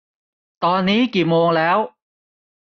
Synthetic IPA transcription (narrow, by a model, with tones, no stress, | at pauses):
t̪ɔ˧ni˨˦ki˨˩mo˧əŋlɛː˨˦w